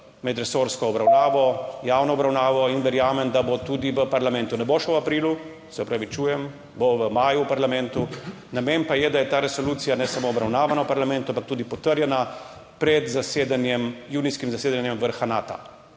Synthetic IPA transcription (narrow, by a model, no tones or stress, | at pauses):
mɛd̪ɾɛsoːɾskɔɔbɾawnaːʋɔjaːwnɔɔbɾawnaːʋɔinʋɛɾjaːmɛnd̪abot̪uːd̪iʋəpaɾlamɛnt̪unɛboʃɛwapɾiːlu | sɛɔpɾaʋit͡ʃuːjɛm | boʋəmaːjuwpaɾlamɛ̃nt̪u | namɛnpajɛd̪ajɛt̪aːɾɛsɔluːt̪sijanɛsamoːbɾawnaːʋanawpaɾlamɛ̃nt̪uampakt̪uːd̪ipɔt̪əɾjɛna | pɾɛd̪zased̪anjɛmjuːniskimzaseːd̪anjɛmʋəɾxanaːt̪a̰